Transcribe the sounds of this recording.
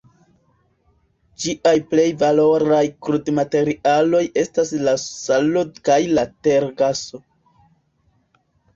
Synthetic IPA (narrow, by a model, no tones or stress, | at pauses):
d͡ʒiʔajple̞jvalo̞ɾajkɾudmate̞ɾialo̞je̞staslasalodkajlate̞ɾɡaso̞